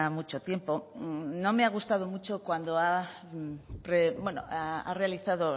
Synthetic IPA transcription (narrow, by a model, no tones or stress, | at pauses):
amut͡ʃo̞t̪je̞mpo̞no̞meaɣ̞ust̪að̞o̞mut͡ʃo̞kwand̪oa | pɾebwe̞no̰aa̰re̞aliθaðo